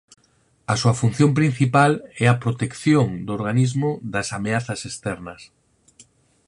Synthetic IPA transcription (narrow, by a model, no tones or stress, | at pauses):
ɐsuɐfun̟θjõmpɾin̟θipalɛɐpɾot̪ekθjoŋd̪ʊoɾɣanizmʊðɐsameaθɐsest̪ɛɾnɐs